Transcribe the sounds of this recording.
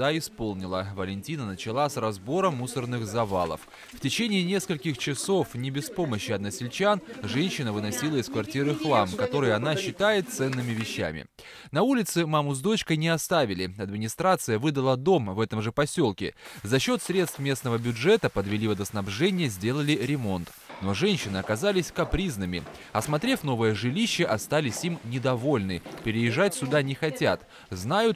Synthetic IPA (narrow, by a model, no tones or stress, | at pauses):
aɪspo̞lˠnʲɪlˠəvəlʲɪnʲtʲinənət͡ɕɪlˠasrɐzbo̞ɾəmːusərnɨxzɐva̰lˠə̰f | ftʲɪt͡ɕenʲɪːnʲe̞skəlʲkʲɪxt͡ɕɪso̞fnʲɪbʲɪspo̞məɕːɪɐd̪̚nəsʲɪlʲt͡ɕanʐɛnʲɕːɪnəvɨnɐsʲilˠəɪskvɐrtʲiɾɨxlˠamkɐt̪o̞ɾɨjɐnaɕːɪt̪ajɪt̪̚t̪sɛnːɨmʲɪvʲɪɕːæ̰mʲɪ̰ | nɐulʲɪt̪sɨmamʊzd̪o̞t͡ɕkəjnʲɪɐst̪avʲɪlʲɪɐd̪mʲɪnʲɪst̪ɾat̪sɨjəvɨd̪əlˠəd̪o̞mvɛt̪əmʐɨpɐsʲo̞lˠkʲɪ̰zɐɕːo̞t̪sɾʲet̪st̪fmʲe̞snəvəbʲʊdʐɛt̪əpəd̪vʲɪlʲivəd̪əsnɐbʐɛnʲɪjəzʲdʲe̞lˠəlʲɪɾʲɪmo̞nt̪ | no̞ʐɛnʲɕːɪnɨɐkɐzalʲɪsʲkɐpɾʲiznɨmʲɪ̰ | ɐsmɐt̪ɾʲefʲno̞vəjəʐɨlʲiɕːəʔɐst̪alʲɪsʲimnʲɪd̪ɐvo̞lʲnɨpʲɪɾʲɪjɪʐːat̚ʲsʲʊd̪anʲɪxɐtʲa̰t̪ | znajʊt̪